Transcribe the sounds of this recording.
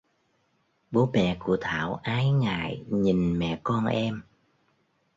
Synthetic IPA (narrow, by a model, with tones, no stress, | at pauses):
ɓo˨˦ɓɛ̰˧˩˨ku˧˩ət̪ʰaː˧˩˨wʔaː˨˦jŋa̰ː˧˨jɲi˨˩nmɛ̰˧˨kɔ˧nʔɛ˧m